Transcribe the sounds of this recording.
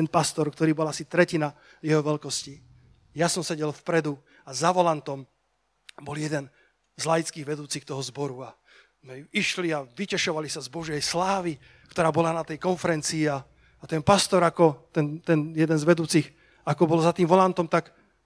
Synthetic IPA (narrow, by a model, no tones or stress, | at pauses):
t̪ɛnpast̪ɔɾkt̪ɔɾiːbɔlasit̪ɾɛcina | jɛɦɔʋɛʎkɔsci | jasɔmsɛɟɛlfpɾɛd̪u | azaʋɔlant̪ɔm | bɔljɛd̪ɛn | zlajt͡skiːɣʋɛd̪uːt͡sixt̪ɔɦɔzbɔɾua | mɛiʃliaʋicɛʃɔʋalisazbɔʒɪɛjslaːʋi | kt̪ɔɾaːbɔlanat̪ɛjkɔnfɛɾɛnt͡siːaː | t̪ɛnpast̪ɔɾakɔt̪ɛnt̪ɛnjɛd̪ɛnzʋɛd̪uːt͡six | akɔbɔlzat̪iːmʋɔlant̪ɔmt̪ak